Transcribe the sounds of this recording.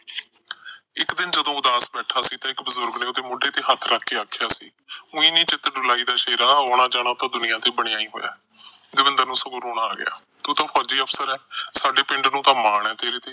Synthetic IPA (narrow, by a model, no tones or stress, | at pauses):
ɪkd̪ɪnd͡ʒəd̪õːʊd̪aːsbɛːʈʰaːsiːt̪ãːɪkbəzʊɾɡnẽːoːd̪eːmʊɖeːt̪eːɦət̪ʰɾaːkʰːeːaːkʰːjaːsḭːʊĩːnĩːt͡ʃɪt̪ɖʊlaːiːd̪aːʃeːɾaːɦoːɽ̃aːd͡ʒaːɽ̃aːt̪ãːd̪ʊnɪjãːt̪eːbəɽ̃ɪjaːiːɦo̰ːja̰ː | d̪eːbənd̪əɾnũːsəkʊɾɦoːɽ̃aːɡɪ̰ja̰ː | t̪uːt̪ãːpʰɔːd͡ʒiːəpʰsəɾɛːsaːɖeːpɪɳɖnũːt̪ãːmaːɳɛ̃ːt̪eːɾeːt̪eː